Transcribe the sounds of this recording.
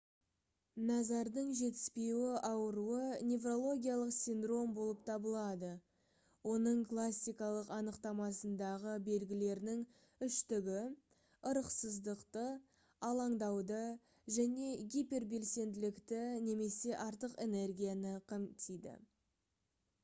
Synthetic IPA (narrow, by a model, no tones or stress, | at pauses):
nɑzɑɾd̪əɴʒe̞t̪ɪ̥spe̞wɪʔɑwəɾuənʲe̞vro̞lˠo̞ɡʲijalˠəqsʲind̪ro̞mbo̞lˠəp̚t̪ʰɑbəlˠɑd̪ə | wo̞nəɴklˠasʲːijkɑlˠəqɑnəqt̪ɑmɑsənd̪ɑʁəbe̞lɡʲɪle̞ɾnɪŋ | ʏʃt̪ɪɡʲɪ | əɾəqsəzd̪əqt̪ə | ɑlˠɑɴd̪ɑwd̪ə | ʒæne̞ɡʲijpʲe̞rbe̞lse̞nd̪ɪlɪkt̪ɪne̞me̞se̞ʔɑɾt̪əqe̞ne̞rɡʲijanəqʰəmt̪ʰijd̪ɪ̰